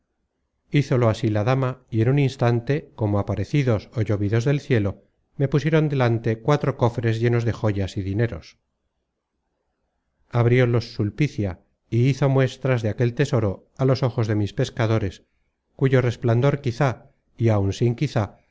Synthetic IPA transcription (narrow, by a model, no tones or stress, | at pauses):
iθo̞lo̞asilaðamaie̞nuninst̪ant̪e̞ko̞moapaɾe̞θiðo̞soʝo̞βiðo̞zðe̞lθje̞lo̞ | me̞pusje̞ɾo̞nd̪e̞lant̪e̞kwat̪ɾo̞ko̞fɾe̞zʝe̞no̞zðe̞xo̞ʝasiðine̞ɾos | aβɾiolo̞sːulpiθja | iiθo̞mwe̞st̪ɾazðeake̞lt̪e̞so̞ɾo | alo̞so̞xo̞zðe̞mispe̞skaðo̞ɾe̞s | kuʝo̞re̞spland̪o̞ɾkiθa | iawnsiŋkiθa